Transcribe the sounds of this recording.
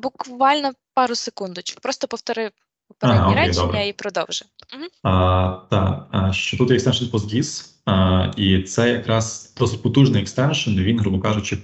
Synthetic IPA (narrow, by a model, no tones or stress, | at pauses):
bʊkʋɑlʲnɔpɑɾʊsɪkund̪ʊt͡ʃɪʋɪpɾɔst̪ɔpɔwt̪ɔɾɪ | paɦaokɾʲɛejd̪ɔbɾɐipɾɔd̪ɔwʒɛm̩ɦm̩ət̪ɑ̰ʃt͡ʃɔt̪ut̪jɛkst̪ɛnʃənpɔzɡʲis | it̪sɛjɐkɾɑz̥d̪̥ɔsʊc̚ʲpɔt̪uʒnɪɛkst̪ɛnʃɐniʋʲinɦɾubʊkɑʒɪt͡ʃɔ